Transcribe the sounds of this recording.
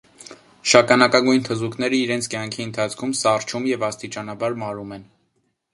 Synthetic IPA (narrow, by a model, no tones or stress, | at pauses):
ʃɑkɑnɑkɑɡujnt̪ʰəzuknɛɾəiɾɛnt͡sʰkjɑŋkʰiənt̪ʰɑt͡sʰkʰumsɑrt͡ʃʰumjɛvɑst̪it͡ʃɑnɑbɑɾmɑɾumɛn